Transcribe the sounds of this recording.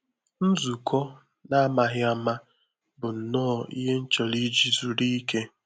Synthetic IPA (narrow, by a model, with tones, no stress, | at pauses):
n̩˦zu˨kʰɔ˦ | na˦a˦ma˨ɦɪ˦a˦ma˦ | bʊ˨n̩˨nɔː˦˨ḭ˦ɦe˦n̩˦t͡ʃɔ˨li˦d͡ʒi˨zu˨ɾi˦i˦ke˦